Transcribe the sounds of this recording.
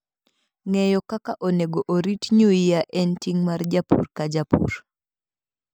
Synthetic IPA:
ŋɛjɔkakaʔoneɡoʔoɾitɲuijaʔɛntiŋmard͡ʒapṵrkad͡ʒapṵɾ

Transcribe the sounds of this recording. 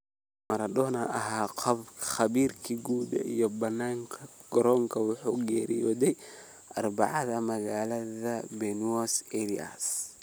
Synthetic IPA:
mɐɾɐd̪ɔnɐʔɐɦaːqʰɑbχɐβiːrkʰiɡuːd̪ɐ̰ijɔbɐnːaːŋkʰɐɡ̥ɔɾɔŋkʰɐwʊħuːɡɛːɾḭjɔːðɛj | ʔɐrbɑʕɑðɐmɐɣaːlɐðɐbɛnwɔsɛɾia̰s

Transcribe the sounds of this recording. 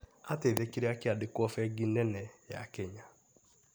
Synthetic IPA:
ateðekiɾeakɪadɪkwɔfɛɡinɛnɛja̰kɛɲa

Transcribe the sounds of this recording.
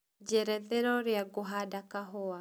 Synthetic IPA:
d͡ʒɛɾɛðɛɾɔɾjaɡoɦadakaɦɔa

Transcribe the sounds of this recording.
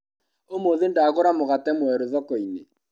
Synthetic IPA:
omoðendaɣoɾamoɣatɛmwɛɾoðɔkɔine

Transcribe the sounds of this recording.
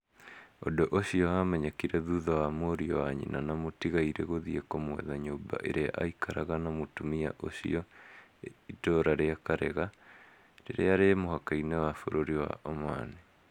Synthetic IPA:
o̰doʔoɕiɔamɛɲɛkiɾɛðuðɔwamoɾiɔwaɲḭnʔanamotiɣaiɾeɣoðiekɔmwɛ̰ðaɲoːba̰ʔeɾeaʔaikʰaɾaɣanamotumia̰ʔoɕḭɔ | itoːɾaɾeakaɾeɣa | ɾeɾeaɾemoɦakainɛwafoɾoɾiwa̰ʔomane

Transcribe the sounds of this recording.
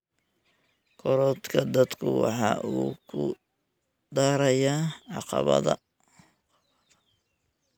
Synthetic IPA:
kʰɔɾɔːd̪kʰɐd̪ɐd̪kʰʊwɑ̰ħɑ̰ːʔuːkʰʊ̰ | d̪aːɾɐjaːʕɑqɑ̰βɐ̰ðɐ̰

